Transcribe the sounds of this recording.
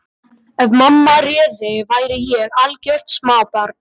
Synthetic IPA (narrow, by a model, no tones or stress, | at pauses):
ɛvmamːarɛːðɪvaːjɾɪjɛɣalcɛr̥t̪smaːwpaɾt̪